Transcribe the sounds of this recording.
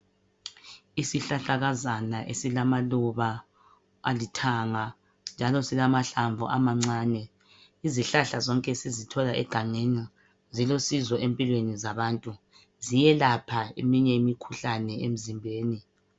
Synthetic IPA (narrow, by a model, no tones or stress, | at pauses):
isiɬaɬaɣazanaʔesilamaluβa | a̰litʰaŋa | nd͡ʒʱalɔsilamaɬaɱvʱṵʔamaŋ͡ǀaːnɛ | iziɬaɬazɔŋkʼɛsizitʰɔlaʔɛ̰ɡ̥ʱaŋena | zilosizɔʔempʼilwenizaβaːntʼu | zijɛlapʰaḛmiɲɛimikʰuɬanɛem̩zimbʱeːni